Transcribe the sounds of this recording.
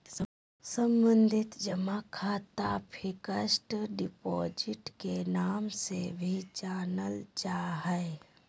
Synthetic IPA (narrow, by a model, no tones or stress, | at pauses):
səmbə̃nd̪ʱɪt̪d͡ʒəmakʰaːt̪apʰɪkəsʈɖɪpɔːd͡ʒɪʈkenaːmsebʱit͡ʃaːnəlt͡ʃaːɦɛe